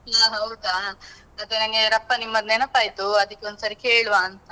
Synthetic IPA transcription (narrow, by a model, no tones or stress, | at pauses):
aɦɐwd̪a | ɐt̪enɐŋɡeɾɐpːɐnimːɐd̪nɛnɐpːaːjt̪uɐd̪ɐkːeo̞nd̪usaɾikeːɭʋaːnt̪ɐ